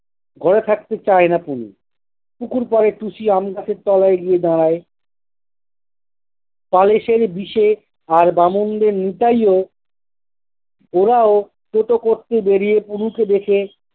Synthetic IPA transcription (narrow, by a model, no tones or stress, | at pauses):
ɡʱɔɾet̪ʰak̚t̪et͡ɕaenapunṵ | pukuɾpaɾeʈuʃiamɡasʰeɾt̪ɔlaeɡied̪aɽae | paleʃeɾbiʃe | aɾbamond̪eɾnit̪ajo | oɾao | t͡ʃoʈokoɾt̪ebeɾijepunuked̪ekʰe